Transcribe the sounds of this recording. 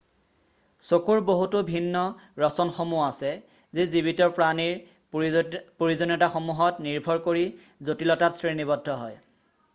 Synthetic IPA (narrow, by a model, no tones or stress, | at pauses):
sokuɹboɦutʊbʱinːɔɹɔsɔnxomuasɛ | zezibitɔɹpɹaniɹ | poɹizɔnɔtaxomuɦɔtniɹbʱɔɹkoɹizotilɔtatsɹinibɔdʱːɔɦɔj